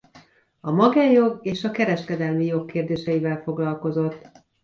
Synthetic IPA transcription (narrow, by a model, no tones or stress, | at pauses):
ɒmɒɡaːjjo̞ɡeːʃɒkɛɾɛʃkɛd̪ɛlmijo̞kːeːrd̪eːʃɛivɛlfo̞ɡlɒlko̞zo̞t̪ː